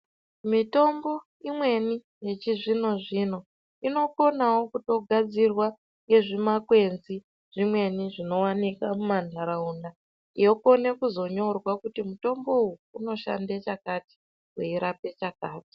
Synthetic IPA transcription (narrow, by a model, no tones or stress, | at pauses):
mito̞mbo̞ | imwe̞ni | je̞t͡ʃiʐino̞ʐino̞ | ino̞ko̞nawo̞kuto̞ɡʱad͡zirwa | ŋɡe̞ʐimakwe̞nzi | ʐ̥imwe̞niʐino̞wanikamumandʱaɾaunda | ijo̞ko̞ne̞kuzo̞ɲo̞rwakutimuto̞mbo̞uuno̞ʃa̰ndet͡ʃakati̥ | weiɾape̞t͡ʃakaːti̥